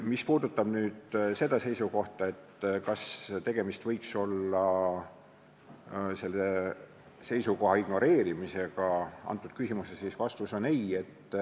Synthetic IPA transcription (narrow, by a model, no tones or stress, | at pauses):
mispuːd̪ut̪ːˑɑb̥nyːd̪̥se̞d̪̥ɑse̞jsuko̞ht̪ɑe̞t̪ːkɑst̪e̞ɡ̥e̞mist̪vɤjkso̞lːɑ | se̞lːe | se̞jsuko̞ɦɑiɡ̥no̞ɾe̞ːɾimise̞ɡ̥ɑɑ̰nt̪ːˑud̪̥̚kysimusesisvɑst̪uso̞neje̞t̪ː